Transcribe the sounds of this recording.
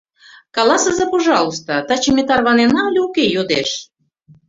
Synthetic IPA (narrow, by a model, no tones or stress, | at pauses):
kɑlˠɑsəzɑpoʒɑlˠost̪ət̪ɑt͡ɕemʲet̪ɑrβɑnenɑlʲukejod̪eʃ